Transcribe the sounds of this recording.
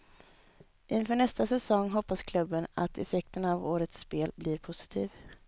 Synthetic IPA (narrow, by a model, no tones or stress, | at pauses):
ʔɪnfœːɳɛst̪asɛsɔŋːɦɔpːaskʰlɵbːəna̰t̪ʰɛ̰fɛk̚t̪ənavoːɾət̪speːlblɪɾpʰʊsɪ̥t̪ʰiːv